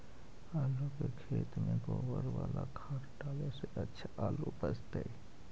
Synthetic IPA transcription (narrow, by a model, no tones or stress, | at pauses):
alukekʰet̪meɡobəɾʋalakʰaɾʈaleseʔətːʃʰalupəd͡ʒt̪əi